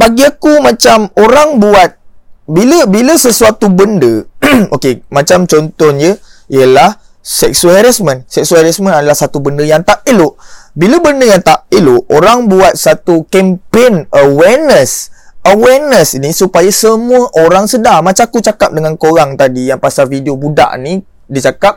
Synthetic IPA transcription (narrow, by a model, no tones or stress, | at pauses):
baɡiakumãt͡ʃamoɾaŋbuat̪̚biləbiləsəsuat̪ubəndəokemãt͡ʃamt͡ʃɔnt̪ɔnjəijəlah | sɛk̚suɦɛɾasmə̃nsɛk̚suhɛɾasmə̃nadalahsat̪ubəndəjaŋt̪aʔiloʔbiləbəndəjaŋt̪aʔiloʔoɾaŋbuat̪̚sat̪ukɛmpenəwɛrnəsəwɛrnəsinisupajasəmuəʔoɾaŋsədaŋmãt͡ʃakut͡ʃakap̚dəŋankoɾaŋt̪adijaŋpasalfidiobuda̰ʔni | dit͡ʃakap̚